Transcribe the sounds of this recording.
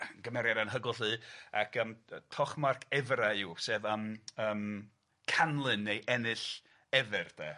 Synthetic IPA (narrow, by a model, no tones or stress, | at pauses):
ɡəmɛɾjadanɦəɡʊlˠɦɨːa̰kʰəmtʰɔχmarkʰɛvraɪwseːvaməːm | kʰanlˠɨnːejʔɛnɨɬ | ɛvɨrd̥ɛ